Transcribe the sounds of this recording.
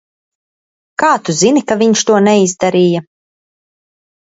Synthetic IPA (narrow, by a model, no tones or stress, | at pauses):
kaːt̪uzinikaviɲʃt̪uɔnɛizd̪aɾiːja